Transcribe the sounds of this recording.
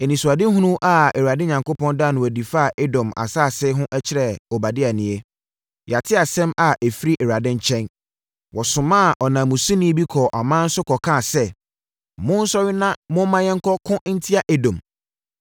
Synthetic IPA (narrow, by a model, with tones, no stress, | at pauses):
e˨nĩ˨su˨a˨dɪ˦ɦũ˦nũ˦ʔa˨ɛ˨ɾa˨dɪ̃˦ɲã˨ŋkʊ˦pʰɔ̃˦nda˦˨nʊ̃˨ɔ˨di˨fa˦˨ʔe˦dɔ̃˨ma̰˨saː˦˨sɪ˦ɦʊ̃˦ʔɛ˦t͡ɕʰɪ˦ɾɛ˨ɔ˨ba˨dɪ˦a˨nɪ̃˨e˦ | ja˨tʰɪ˦a˨sɛ̃˦ma˨ʔe˨fi˦ɾi˦ʔɛ˨ɾa˨dɪ̃˦ɲ̩˦t͡ɕʰɛ̃˦n | wɔ˨sʊ̃˨mã˦˨ʔɔ˨nãː˨mũ˨sĩ˦nĩ˦bi˦kʰɔ˨ʔa˨mã˦n̩˦sʊ˦kʰɔ˨kʰã˦˨sɛ˦˨ | mʊ̃˦n̩˦sɔ˦ɥɪ˦nã˦mʊ̃˦mã˦jɛ̃˦ŋ̩˦kʰɔ˦kʰʊ̃˦n̩˦tʰi˦a˨ʔe˨dõ˨m